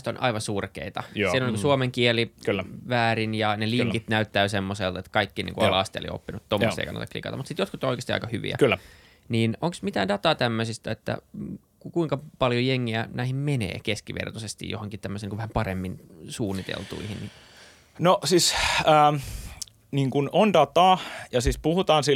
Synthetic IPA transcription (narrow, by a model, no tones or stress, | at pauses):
st̪onʔɑ̰iʋɑnsurkḛit̪ɑsiloniŋkusuomeŋkieliklːʋæːɾinjɑneliŋkit̪næyt̪ːæysemːoselt̪et̪kɑikːinḭːŋkuɑlɑst̪ḛlḭo̰pːinut̪t̪omːosstḛikɑ̰nːɑt̪ɑklḭkɑ̰t̪ɑmut̪sit̪jot̪kut̪ːooikest̪iɑ̰ikɑhyʋḭæ̰kylː | niːnoŋksmit̪æːndɑt̪ɑːt̪æmːøsist̪æet̪ːæ̰ | kkuiŋkɑpɑljojeŋːiænæihimmenḛːkeskiʋḛrt̪osest̪ḭjohoŋkit̪æmːøsenikuʋæhæmpɑremːin | suːnːit̪ḛlt̪ṵihinni | noʔsisəː | niːŋkunondɑt̪ɑːjɑsispuhut̪ɑːnsi